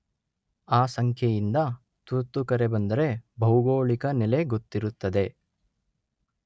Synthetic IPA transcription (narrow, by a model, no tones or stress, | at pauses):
aːsɐŋkʰjɐjind̪ɐ | t̪ut̪ːukɐɾebɐnd̪ɐɾe̞bʱɐwɡoːɭikɐnɛle̞ɡot̪ːiɾut̪ːɐd̪e̞